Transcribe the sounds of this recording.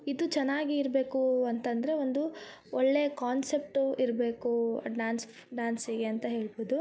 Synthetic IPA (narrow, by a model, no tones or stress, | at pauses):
id̪ut͡ʃɛnːaːɡiːɾbe̞ːkuɐnt̪ɐnd̪ɐɾeond̪u | ɔɭːeɐkaːnse̞p̚ʈuiɾbe̞ːkuɐ̰ɖʋaːns | ɖaːnsiɡeɐnt̪ɐɦe̞ːɭboːd̪u